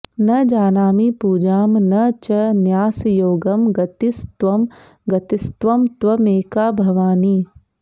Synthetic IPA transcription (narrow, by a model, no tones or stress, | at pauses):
nɐd͡ʒaːnaːmipuːd͡ʒaːmnɐt͡ʃɐnjaːsjoːɡɐmɡɐt̪ist̪ʋɐm | ɡɐt̪ist̪ʋɐmt̪ʋɐmeːkaːbʱɐʋaːniː